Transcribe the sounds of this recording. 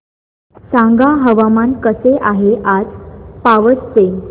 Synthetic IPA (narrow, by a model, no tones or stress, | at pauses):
sãŋɡaɦəʋamankəseʔaɦeʔad͡zpaʋəst͡se